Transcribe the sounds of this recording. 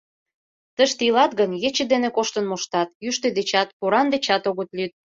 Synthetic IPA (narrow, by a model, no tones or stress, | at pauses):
t̪əʃt̪ilɑt̪̚ɡənjet͡ɕĕd̪enekoʃt̪ə̆nmoʃt̪ɑt̪jyʃt̪ed̪et͡ɕɑt̪poɾɑnd̪et͡ɕɑt̪oɣət̪lyt̪̚